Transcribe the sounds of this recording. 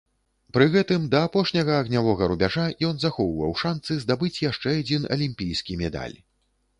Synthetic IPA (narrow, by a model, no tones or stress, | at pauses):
pɾɨɣɛt̪ɨmd̪ɐːpɔʂnʲɐɣɐːɣnʲavɔɣɐɾubʲaʐajɔnzaxɔwvɐ̰wʂansɨzd̪abɨt͡sʲjaʂt͡ʂɛad͡zʲinɐ̰lʲimʲpʲijskʲimʲɛd̪a̰lʲ